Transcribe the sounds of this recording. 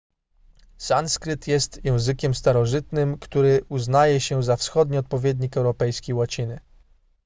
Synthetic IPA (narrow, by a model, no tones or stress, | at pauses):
sanskɾɘt̪jɛst̪jɛ̃w̃zɘkʲɛmst̪aɾɔʐɘt̪nɘmkt̪uɾɘʔuznajɛɕɛzafsxɔd̪ɲiɔt̪̚pɔvʲjɛd̪ʲɲikɛwɾɔpɛjskʲiwat͡ɕinɘ